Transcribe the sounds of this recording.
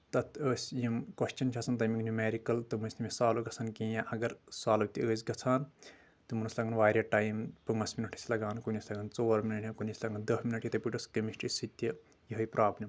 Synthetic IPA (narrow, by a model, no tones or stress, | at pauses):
t̪ɐt̪ʰəːsʲjimkɐʃt͡ʃɐnt͡ʃʰaːt͡sʰɐnt̪̬ɐmiɡɨnumeːɾikɐlt̪ɨmunsʲnʲimisaːloɡɐt͡sʰaːnkijãʔɐɡɐɾsaːlut̪ʲiəːsʲɡɐt͡sʰaːn | t̪ɨmunɐsʲlɐɡɐnʋaːɾʲjɐʈaːjmpɐŋɡɐsminɐʈʰi̥sʲlɐɡaːnkunʲɐsʲlɐɡɐnt͡soːɾminɐʈʰʲikunislɐŋɡɐnd̪ɐhminɐʈjit̪ɐpiʈɐskɐmiʃʈisit̪ʲːɐ | jiɦɐjpɾaːblʲim